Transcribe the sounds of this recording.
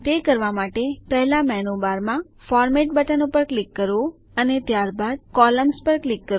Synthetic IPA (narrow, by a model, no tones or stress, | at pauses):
t̪ekəɾʋamaʈepɛɦɛlamɛnobaɾmã | fɔɾmeʈ̚bəʈənopəɾklikːəɾʋo | ənet̪jaɾbad̪̚kɔləmspəɾklikːəɾ